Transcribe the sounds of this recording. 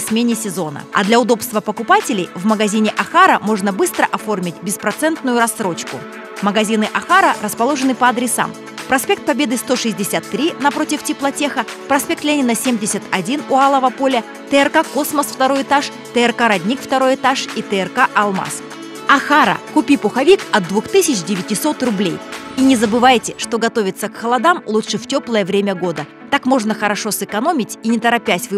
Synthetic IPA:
sʲmʲenʲɪsʲɪzo̞nə̰ɐ̰d̪lʲɐʊd̪o̞pst̪vəpəkʊpatʲɪlʲɪjvməɡɐzʲinʲɪʔɐxaɾəmo̞ʐnəbɨst̪ɾəʔɐfo̞rmʲɪt̚ʲbʲɪspɾɐt̪sɛnt̪nʊjʊɾɐsːɾo̞t͡ɕkʊ | məɡɐzʲinɨʔɐxaɾərəspɐlˠo̞ʐɨnɨpɐɐd̪ɾʲɪsa̰m | pɾɐsʲpʲe̞k̚t̪̚pɐbʲed̪ɨst̪o̞ʂɨzʲdʲɪsʲat̪ːɾʲinɐpɾo̞tʲɪftʲɪplˠɐtʲe̞xə | pɾɐsʲpʲe̞k̚t̪lʲenʲɪnəsʲemʲdʲɪsʲət̪ɐdʲinʊalˠəvəpo̞lʲə | t̪əɛrkako̞sməsft̪ɐɾo̞jɪt̪aʂ | t̪əɛrkaɾɐdʲnʲikft̪ɐɾo̞jɪt̪aʂit̪əɛrkaʔɐlˠma̰s | ɐxaɾə̰kʊpʲipʊxɐvʲikɐt̪̚d̪vuxt̪ɨsʲɪt͡ɕdʲɪvʲɪtʲɪso̞t̪rʊblʲejinʲɪzəbɨvajtʲɪʂt̪o̞ɡɐt̪o̞vʲɪt̪səkxəlˠɐd̪amlˠuʂɨftʲo̞plˠəjəvɾʲemʲəɡo̞d̪ə | t̪akmo̞ʐnəxəɾɐʂo̞sɨkɐno̞mʲɪtʲinʲɪt̪əɾɐpʲætʲvɨ

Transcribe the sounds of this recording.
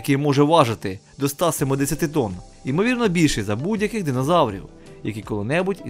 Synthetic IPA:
kɛjmɔʒɛʋɑʒɐt̪ɪd̪ɔst̪ɑsemɔd̪ɛsʲɐt̪ɪt̪ɔn | imɔʋʲirnɔbʲilʲʃɛzɐbudʲjɐkɪxd̪ɪnɔzɑwɾʲḭw | jɐkʲikɔlˠɪnɛbʊtʲ

